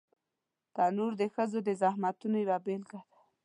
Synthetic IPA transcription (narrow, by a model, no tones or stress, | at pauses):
d̪̥anoɾd̪əxəzod̪əzahmat̪unojwabelkad̪ḁ